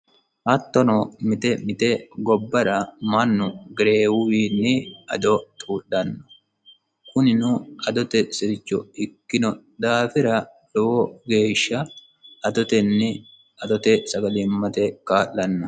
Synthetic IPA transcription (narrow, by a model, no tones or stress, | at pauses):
hɐt̪ːɔnɔmɪt̪ɛmɪt̪ɛɡɔbːɐɾɐmɐnːʊɡɪɾeːwʊwiːnːɪɐd̪ɔt̪ʼuːɗːɐnːɔ̥ | kʊnɪnʊɐd̪ɔt̪ɛsɪɾɪt͡ʃːɔ̰ɪkːɪnɔ | d̪aːfɪɾɐ | lɔwɔɡe̞ːʃːɐ | ʔɐd̪ɔt̪ɛnːɪ | ɐd̪ɔt̪ɛsɐɡɐlɪmːɐt̪ɛkaːʔːɐnːɐ